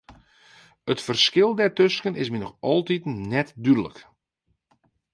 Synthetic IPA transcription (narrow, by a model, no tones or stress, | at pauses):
ətfərskɪlˠdɛrtøskənɪsminɔxɔlˠtitnɛtdydələ̰k